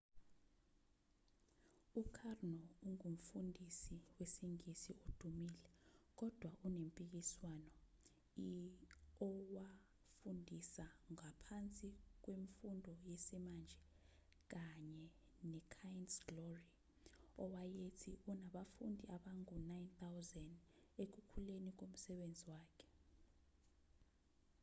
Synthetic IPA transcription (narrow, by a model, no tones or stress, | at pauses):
ukʰarnɔuŋum̩fundʱisiwesiŋisiod̥ʱumilɛk̬ɔd̥ʱwaʔunempʼik̬iswanɔ | i | ɔwa | fundʱisaŋapʰant͡sʼik̬weɱfundʱɔjesimand͡ʒʱɛ | k̬aɲɛ | nɛkʰajɛnsɡ̥lori | ɔwajetʰiunaɓafundʱiaɓaŋʼunajnt̪awzɛndek̬ukʰulenik̬om̩sɛɓend͡zʱiwaːkʰɛ̥